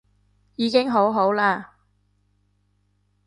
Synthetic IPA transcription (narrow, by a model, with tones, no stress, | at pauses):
jiː˨˧kɪ˥ŋɦo˨˥wɦo˨˥wlaː˧